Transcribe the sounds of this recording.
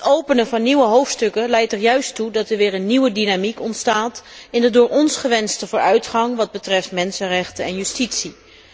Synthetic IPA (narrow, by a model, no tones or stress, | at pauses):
ətowpənəvɑnːiʋəɦowftstɵkəlɛjtɛɹjœɥstudɑtɛɹʋɪːɹənːiwədinamikɔntstaːtɪndədʊːɹɔnsχəʋɛnstəvʊːɹœɥtχɑŋʋɑd̚bətrɛftmɛnsənrɛχtəɛnjystitsi